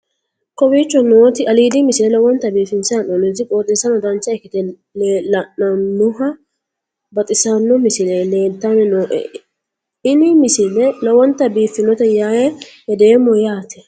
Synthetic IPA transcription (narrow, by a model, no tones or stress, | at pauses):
kɔbiːt͡ʃːɔnoːt̪ɪɐliːd̪ɪmɪsɪlɛlɐwɔnt̪ːɐbiːfɪnsɐnonɪt̪ɪkʼoːt̪ʼɪsɐnɔd̪ɐnt͡ʃːɐɛkːɪt̪ɛ | lɐnɐnːʊɦɐ | bɐt̪ʼɪsɐnːɔmɪsɪleleːnt̪ːanɛnoːʔɛ̰ | ɪnɪmɪsɪlɛlɐwɔnt̪ːɐbiːfɪnɔt̪ɛjaːjɛhɛd̪eːmːɔjaːt̪ɛ̥